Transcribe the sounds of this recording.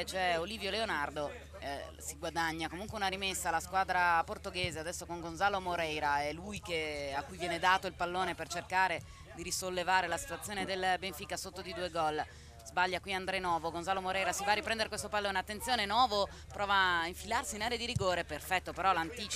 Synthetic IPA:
t͡ʃɛoliːvjoleonard̪o | siɡwad̪aɲːakomuŋkweunaɾimesːalaskwaːd̪ɾaport̪oɡeːzead̪ɛsːokoŋɡonzaːlomoɾɛjɾaɛlujkeakːujvjɛːned̪aːt̪oilpalːoːnepert͡ʃerkaːɾe | d̪iɾisolːevaːɾelasi̥t̪wt̪sːjoːned̪elbeɱfikasot̪ːod̪id̪uːeɡɔl | z̥baʎːakwiand̪ɾɛnɔːvoɡonzaːlomoɾɛjɾasivaːripɾɛnd̪eɾekwest̪opalːoːneat̪ːent̪sjoːnenwɔːvo | pɾʔɔːvaiɱfilarsiːnaːɾead̪iɾiɡoːɾeperfɛt̪ːopeɾɔlant̪iːt͡ʃ

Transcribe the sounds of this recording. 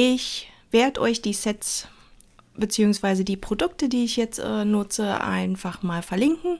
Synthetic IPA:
ɪçv̥eːɐdəʔɔʏçd̥iːsɛtt͡s | b̥ət͡siːʊŋsv̥aɪzədiːpʁ̥odʊk̚tədiːɪçjɛt͡stʔɛ̰ːnʊt͡səʔa̰ɪnfaχmaːlfɛɐlɪŋkŋ̩

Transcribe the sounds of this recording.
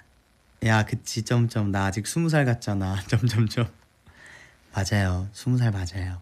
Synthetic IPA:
jakɯt͡ɕʰit͡ɕomt͡ɕomnaːd͡ʑik̚sʰumus̬ʰaɭɡat̚t͡ɕ͈anat͡ɕomt͡ɕomt͡ɕom | ad͡ʑajosʰumus̬ʰaɭmad͡ʑajo

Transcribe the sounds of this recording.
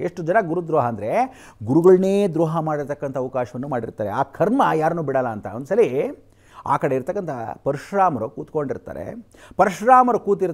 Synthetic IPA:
eʂʈud͡ʒɐnɐɡuɾud̪ɾɔːɦɐːnd̪ɐɾe̞ | ɡuɾuɡɐɭɐneːd̪ɾɔːɦɐmaːɽiɾt̪ɐkːɐnt̪ʰɐʋɐkaːʃɐʋɐnːumaːɽḭɾt̪aːɾeaːkʰɐɾmɐjaːɾɐnuːbiɽɐlːɐːnt̪ɐond̪usɐli | a̰ːkɐɽe̞iɾt̪ɐkːɐnt̪ʰɐpɐɾiʂɾaːmɐɾukuːt̪ko̞ɳɖiɾt̪a̰ːɾḛ | pɐɾiʂɾaːmɐɾɐkuːt̪iɾ

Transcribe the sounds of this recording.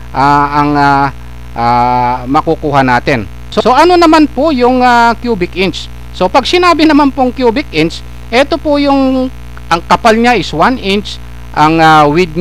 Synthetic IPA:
ʔaɐŋa | ʔamɐkukuːhɐnaːt̪ɪn | soo̞ʔɐno̞nɐmanpojʊŋakjuːbɪkʔɪnt͡ʃ | so̞pɐɡ̚sɪnaːbɪnɐmanpoŋkjuːbɪk̚ʔɪnt͡ʃ | ʔɛt̪o̞pojʊŋ | ʔɐŋkɐpalɲaʔɪswanʔɪnt͡ʃ | ʔɐŋawɪd̪̚ɲ

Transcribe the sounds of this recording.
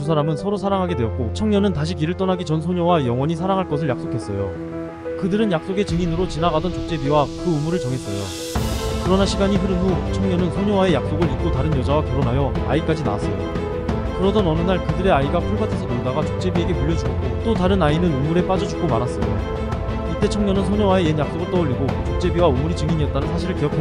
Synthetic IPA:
tusʰaɾamɯnsʰʌɾosʰaɾaŋɦaɡe̞dwe̞ʌt̚k͈ot͡ɕʰʌŋɲʌnɯntaɕʰip̬iɾɯɭt͈ʌnaɡit͡ɕʌnsʰoɲowajʌŋwʌɲis̬ʰaɾaŋɦaɭk͈ʌsʰɯɭjak̚s͈okʰe̞s͈ʌjo | kɯdɯɾɯnjak̚s͈oɡe̞t͡ɕɯŋinɯɾot͡ɕinaɣadʌnt͡ɕok̚t͡ɕ͈e̞biwakɯɯmuɾɯɭt͡ɕʌŋɦe̞s͈ʌjo̰ | kɯɾʌnaɕʰiɡaɲiɸɯɾɯnmut͡ɕʰʌŋɲʌnɯnsʰoɲowae̞jak̚s͈oɡɯɭit̚k͈otaɾɯnjʌd͡ʑawakjʌɾonɦajʌa̰ik͈ad͡ʑina̰as͈ʌ̰jo̰ | kɯɾʌdʌnʌnɯnaɭkɯdɯɾe̞aiɡapʰuɭbatʰesʰʌmondaɡat͡ɕok̚t͡ɕ͈e̞bie̞ɡe̞puɭːʌd͡ʑukot͈otaɾɯnainɯnumuɾe̞p͈ad͡ʑʌd͡ʑuk͈omaɾas͈ʌjo | it͈e̞t͡ɕʰʌŋɲʌnɯnsʰoɲowaejenjak̚s͈oɡɯɭt͈ʌʎːiɡot͡ɕok̚t͡ɕ͈e̞biwaumuɾit͡ɕɯŋiɲiʌt̚t͈anɯnsʰaɕʰiɾɯɭkijʌkʰa

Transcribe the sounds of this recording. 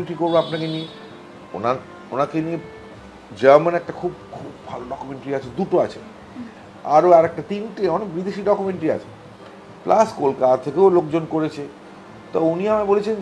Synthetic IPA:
ʈɾikoɾbeapnakenie | o̰na | onakenie | d͡ʑəɾmanɛk̚ʈakʰubkʰubːʱaloɖɔkumeɳʈɾiat͡ɕʰed̪uʈoat͡ɕʰe | a̰ɾoɛɾɛk̚ʈat̪inʈeɔnek̚bid̪eʃiɖɔkumeɳʈɾia̰t͡ɕʰe̥ | plʔaskolkat̪at̪ʰekeolokd͡ʑonkoɾet͡ɕʰe | t̪ɔuniamabolet͡ɕʰen

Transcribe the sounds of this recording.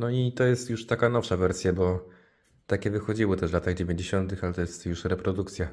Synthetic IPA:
nɔit̪ɔjɛst̪juʂt̪akanɔfʂavɛɾsʲjabɔ | t̪akʲɛvɘxɔd͡ʑiwɪt̪ɛʂvlat̪aɣd͡ʑevʲeɲd͡ʑeɕɔnt̪ɘxalɛt̪ɔjɛst̪juʂɾɛpɾɔd̪uk̚t̪sʲja

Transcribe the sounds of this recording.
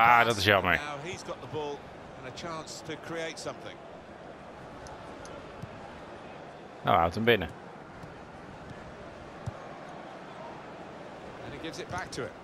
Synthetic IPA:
adʌtɪzjamənaʊizɡɒʔðəbɔlˠ | ə̃nət͡ʃʰɑ̃ˑnstʰəkʰɹ̥ieɪtsʌ̃mθɪ̰̃ŋ | no̰ʊaʊtə̃nbɪnə | ə̃niɡɪvzɪʔ̚b̥ak̚tʰəɪ̰t

